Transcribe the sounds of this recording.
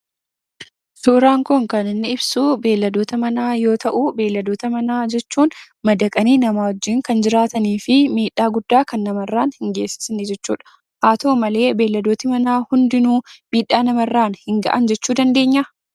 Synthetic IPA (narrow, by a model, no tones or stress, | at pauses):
soːɾaːŋkʊŋkɐnɪnːɪɪbsuːbe̞ːlːɐd̪o̞ːt̪ɐmɐnaːjo̞ːt̪ʰɐʔuːbe̞ːlːɐd̪o̞ːt̪ɐmɐnaːd͡ʒɛt͡ʃːuːn | mɐd̪ɐkʼɐniːnɐmaːwɔd͡ʒːiːŋkɐnd͡ʒɪɾaːt̪ɐniːfɪmiːᶑːaːɡʊd̪ːaːkɐnːɐmɐrːaːnhɪŋɡe̞ːsːɪ̥snɪd͡ʒɛt͡ʃːṵːᶑɐ̥ | ʔaːt̪o̞ːmɐle̞ːbe̞ːlːɐd̪o̞ːt̪ɪmɐnaːhʊnd̪ɪnuːmiːᶑːaːnɐmɐrːaːnhɪŋɡɐ̰ʔɐnd͡ʒɛt͡ʃːuːd̪ɐnd̪e̞ːɲːɐ